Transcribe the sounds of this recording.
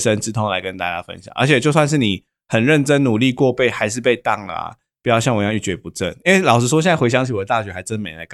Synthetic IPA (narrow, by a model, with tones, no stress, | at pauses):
ʂə˦nʈ͡ʂɻ̩˧˥t̪ʰɔ˥ŋla˧˥ɪkə˦nt̪a̰˥˧t͡ɕja̰˦˥fə̰˦nɕjɑ̰˨˩˦ŋʔə̰˧˥t͡ɕʰɛ˨˩t͡ɕjo˥˧ʊs̬wa˥˧nʂ̬ɻ̩˥˩ni˨˩ | hə˨˩nɻə˥˩nʈ͡ʂə˦˥nnu˨˩li˥˧kwɔ˥˧pe˥˩ɪxa˧ɪʂ̬ɻ̩˥˧pe˥˧ɪt̪ɑ˥˩ŋəɐ̰˨˩ | pu˨˩jɑ˥˧ʊɕjɑ˥˩ŋwɔ˨˩jɑ˥˧ŋy˥˩t͡ɕɥɛ˧˥pu˧˥ʈ͡ʂə˥˩ni˥nwe˥˩lɑ˨˩ʊʂɻ̩˥ʂwɔ˥ɕjna˥˩we˧˥ɪɕjɑ˥ŋt͡ɕʰi˧˩wɔ˨d̪ə˧˩t̪a˥˨˩ɕɥɛ˧˥xa˧˥ɪʈ͡ʂə˥ndə˧me˨˩ɪla̰˨˧˦kʰ